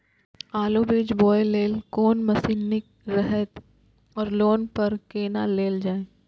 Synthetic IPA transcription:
aːlobiːd͡ʒboːeleːlkoːnmɐsiːnɪk̚ | ɾɛɦɛt̪ | ɔːɾloːnpɐɾkeːnaleːld͡ʒaːẽː

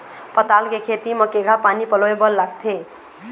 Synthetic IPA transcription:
pʌt̪alkekʰet̪imʌkeɡʱapanipʌloebʌlːaɡ̚t̪ʰe

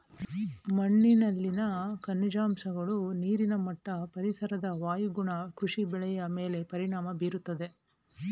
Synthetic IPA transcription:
mɐɳːinɐlːinɐkɐnːid͡ʒaːmsɐɡɐɭuniːɾinɐmɐʈːɐpɐɾisɐɾɐd̪ɐʋaːjiɡuɳɐkʰɾuʂibɛɭɛjɐme̞ːle̞pɐɾiɳaːmɐbiːɾut̪ːɐd̪e̞

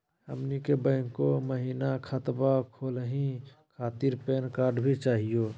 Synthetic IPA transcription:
hə̰mnikebəɪŋkoməɦinakʰət̪bakʰolɦĩkʰat̪iɾpenkaɾɖbʱit͡ʃaɦijo

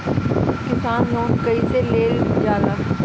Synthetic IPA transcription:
kɪsaːnːɔːnkɐiseleːld͡ʒjaːd̪a

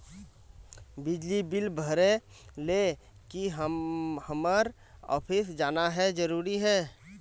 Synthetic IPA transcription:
bɪd͡ʒlibɪlbʱəɾe | le | kiɦhəməɾ | ɔ̰ːpʰɪsd͡ʒaːnaɦɛd͡ʒəɾuːɾiɦɛː

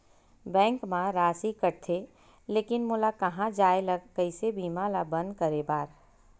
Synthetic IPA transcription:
bɛ̃ːŋkmãɾaːsikəɾt̪ʰe | leːkɪnmʊlakɐɦãd͡ʒaːeləɡkəisebʱiːmaːlabɐ̃nd̪̚kəɾebaːɾ

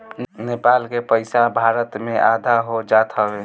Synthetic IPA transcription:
nepalkepəɪsabʱaɾət̪meʔad̪ʱaɦod͡ʒat̪ʰəʋe

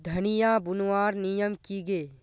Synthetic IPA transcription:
d̪ʱɐnijabʊnwaːɾnijəmkiɡeː

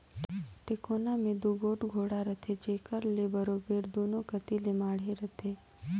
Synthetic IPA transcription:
ʈekonamẽd̪uɡoːʈɡʱoːɽaɾət̪ʰed͡ʒeːkəɾlebəɾoːbeɾd̪uːnokət̪ilemaːɽ̤eɾət̪ʰe

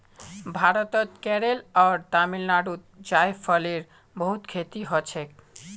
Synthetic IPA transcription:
bʱaɾot̪ot̪kɛɾelɔɾt̪amilnaɖut̪̚d͡ʑaefɔleɾ | boɦut̪kʰet̪iɦot͡ɕʰe

